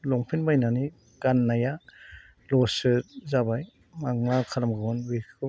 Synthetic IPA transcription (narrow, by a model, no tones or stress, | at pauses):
lɔŋpʰinmajnani | ɡanːaja | lɔsɯtzabaj | maŋnakʰalamɡɯɔnwikʰɯ